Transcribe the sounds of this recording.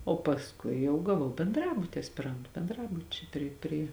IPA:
oː pɐsˈkʊɪ jɛʊ ɡɐˈʋɐʊ bʲɛnˈdrɑːbʊtʲɪ ɐsʲpʲɪˈrɐntʊ bʲɛnˈdrɑːbʊt͡ʃʲɛɪ ˈpʲrʲɪ pʲrʲɪ

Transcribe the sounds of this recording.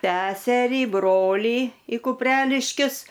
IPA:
ˈsʲæːsʲɛrʲiː ˈbroːlʲiː ɪ kʊpʲˈrʲæːlʲɪʃʲkʲʊs

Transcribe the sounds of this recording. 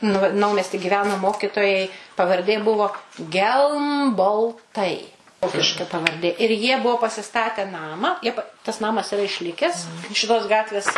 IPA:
ˈnʊ ʋɐ nɐʊmʲɛsʲtʲɪ ɡʲɪˈʋʲæːnoː ˈmoːkʲɪtoːjɛɪ pɐʋɐrʲˈdʲeː ˈbʊʋoː ɡʲɛlˠmboːlˠˈtɐɪ ˈʋoːkʲɪʃkɐ pɐʋɐrʲˈdʲeː ɪr ˈjiɛ ˈbuɔ pɐsʲɪˈstɑːtʲɛ ˈnɑːmɑː ˈjiɛ pɐ tɐs ˈnɑːmɐs ɪˈrɐ ɪʃʲˈlʲɪkʲɛs ʃʲɪˈtoːs ˈɡɑːtʲʋʲeːs

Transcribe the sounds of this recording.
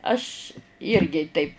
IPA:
ˈɐʃ ˈɪrʲɡʲɪ tɐɪp

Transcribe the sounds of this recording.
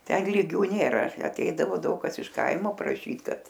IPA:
ˈtʲɛn lʲiːˈɡʲuː nʲeːˈrɐ ɐˈtʲɛɪdɐʋoː ˈdɐʊk kɐs ɪʃ ˈkɐɪmoː prɐˈʃʲiːt ˈkɐt

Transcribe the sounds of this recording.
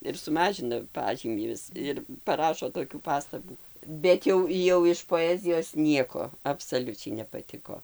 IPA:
ɪr sʊˈmɑːʒʲɪnɐ ˈpɑːʒʲiːmʲiː ˈʋʲɪs ɪr pɐˈrɑːʃoː toːˈkʲuː ˈpɑːstɐbuː ˈbʲɛt jɛʊ jɛʊ ɪʃ poːˈæːzʲɪjoːs ˈnʲiɛkoː ɐpsɐˈlʲʊt͡ʃʲɛɪ nʲɛpɐˈtʲɪkoː

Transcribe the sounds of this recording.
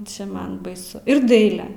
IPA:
ˈt͡ʃʲɛ ˈmɐn bɐɪˈsʊ ɪr ˈdɐɪlʲɛ

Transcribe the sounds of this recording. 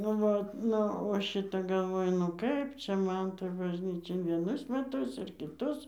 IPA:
nʊ ˈʋɐt ˈnʊ oː ˈʃʲɪtɐ ɡɐlˠˈʋoːjʊ ˈnʊ kɐɪp ˈt͡ʃʲɛ ˈmɐn toːj bɐʒʲˈnʲiːt͡ʃʲɛ ɪr ʋʲiɛˈnʊs mʲɛˈtʊs ɪr kʲɪˈtʊs

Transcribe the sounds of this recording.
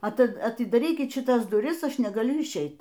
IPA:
ɐˈtʲɪ ɐtʲɪdɐˈrʲiːkʲɪt ʃʲɪˈtɐs dʊˈrʲɪs ˈɐʃ nʲɛɡɐˈlʲʊ ɪʃʲˈɛɪt

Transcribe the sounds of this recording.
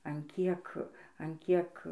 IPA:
ɐn ˈkʲiɛk ɐn ˈkʲiɛk

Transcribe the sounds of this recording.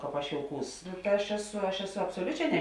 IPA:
ˈkɑːp ɐʃ joːʊˈkuːs ɐʃ ˈæːˌsʊ ɐʃ ˈæːˌsʊ ɐpsoːˈlʲʊˌt͡ʃʲɛː nʲɛ

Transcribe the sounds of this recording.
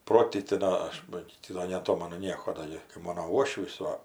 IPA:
ˈproːtʲiːtʲɪ ˈdoː ɐʃ ˈbɐ ɡʲɪ ˈtʲɪ doː nʲɛɐˈtoːmɐnʊ ˈnʲiɛkoː ˈdoː ɡʲɪ kɐɪ ˈmoːnoː ˈuɔʃʲʋʲiːs ˈʋɐ

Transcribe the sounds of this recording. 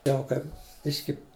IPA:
ˈjɛʊ kɐɪp ˈbʲɪʃʲkʲɪ

